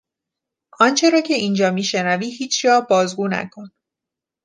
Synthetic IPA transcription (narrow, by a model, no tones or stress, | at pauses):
ʔɒːnt͡ʃʰe̞ɾɒːcʰe̞ʔiːnd͡ʒɒːmiːʃe̞næviːɦiːt͡ʃʰjɒːbɒːzɡuːnæ̰kʰo̞n